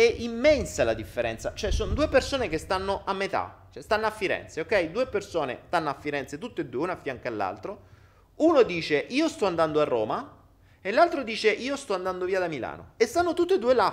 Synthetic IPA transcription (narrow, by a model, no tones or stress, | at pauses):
ɛʔimːɛnsalad̪ifːeɾɛ̰nt̪sat͡ʃoɛsond̪uːepersoːnekest̪anːoʔamːet̪a̰t͡ʃɛst̪anːoafːiɾɛ̰nt̪seokːɛjd̪uːepersoːnḛst̪anːoafːiɾɛnt̪set̪ut̪ːeed̪ːuːeunafjaŋkalːa̰lt̪ɾo | unod̪iːt͡ʃeʔiːost̪ɔand̪and̪oarːoːma | elːalt̪ɾod̪iːt͡ʃeʔiːost̪ɔand̪and̪oviːad̪amila̰ːno̰est̪anːot̪ut̪ːoed̪ːuːela